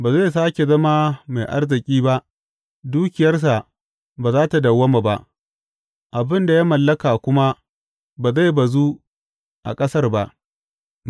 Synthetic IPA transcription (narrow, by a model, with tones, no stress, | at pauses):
baː˨za˦˨s̬aː˦kʲe˨zɐ˦ma˦ma˨jʔa̰˦rzɪ˨kʲʼiː˦ba˦ʔ | duː˦kʲɪ˨jɐ˦rs̬a˨ | baː˨zaː˦ta˨dɐ˨wːɐ˦ma˨ba˦ʔ | ʔa˨bɪ˦nda˨ja˦mɐ˨lːɐ˦kaː˨kʷʊ˦ma˦ | baː˨za˦˨jba˨zuː˦ | ʔa̰˨kʼɐ˦sɐ˦rba˨ʔ